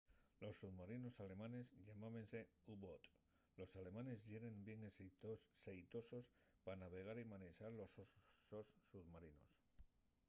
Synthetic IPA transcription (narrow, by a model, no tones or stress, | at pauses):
lo̞sːuðmaɾino̞sale̞mãne̞zʎamaβense̞ | uβot̪ | lo̞sale̞mane̞zʝeɾe̞mbje̞ŋesit̪ossejt̪o̞so̞s | panaβ̞e̞ɣ̞aɾimanesaɾlo̞sososːuðmaɾino̞̰s